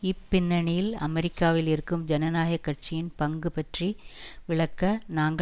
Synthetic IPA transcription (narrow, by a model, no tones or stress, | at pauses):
ɪpːɪnːɐɳɪjɪlɐ̰mɛɾɪkːaːʋɪlɪɾɯkːɯmd͡ʒɐnɐnaːjɐkːɐʈ̚t͡ʃɪjɪnpɐŋɡɯpɐʈriʋɪɭɐkːɐnaːŋɡɐ